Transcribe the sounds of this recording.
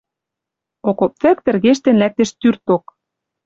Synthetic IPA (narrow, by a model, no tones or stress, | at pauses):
okopt͡sɘ̆k̚t̪ɘ̆rɣeʃ̬t̪ĕnlæk̚t̪ĕʃt̪yrt̪ok